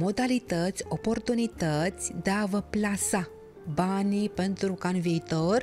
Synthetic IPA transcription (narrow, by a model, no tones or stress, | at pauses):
mod̪alit̪ət͡sɔpoɾt̪unit̪ət͡sd̪aʋəplasa | banipənt̪uɾukãnʋet̪əɾ